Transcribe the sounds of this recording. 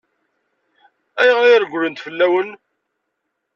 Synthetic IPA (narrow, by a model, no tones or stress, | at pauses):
æjʁɾiæɾɡʷlənt̪fəlːæwən